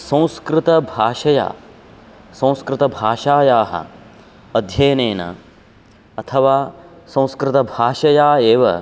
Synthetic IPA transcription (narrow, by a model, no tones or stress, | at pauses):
sɐ̃w̃skɾɪt̪ɐbʱaːʃɐja̰ː | sɐ̃w̃skɾɪt̪ɐbʱaːʃaːjaːɦɐ̰ | ɐd̪ʱjɐːjneːnɐ̰ | ɐt̪ʰɐʋaːsɐ̃w̃skɾɪt̪ɐbʱaːʃɐjaːeːʋɐ̰